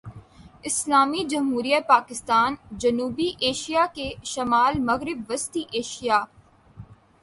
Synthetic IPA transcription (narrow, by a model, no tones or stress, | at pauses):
ɪslaːmid͡ʒɐmɦuːɾijapaːkɪst̪aːnd͡ʒɐnuːbiʔeːʃijakeʃɐmaːlmɐɣɾɪbʋɐst̪iʔeːʃijaː